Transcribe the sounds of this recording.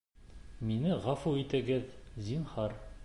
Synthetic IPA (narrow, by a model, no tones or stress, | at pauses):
minɘʁɑfuit̪ɘ̆ɡɘðzinhɑɾ